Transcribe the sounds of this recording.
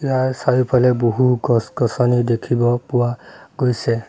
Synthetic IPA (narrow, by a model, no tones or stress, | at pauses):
ijaɹsajupalɛboɦuɡɔsɡɔsɔnidekʰibɔpuwaɡojsɛ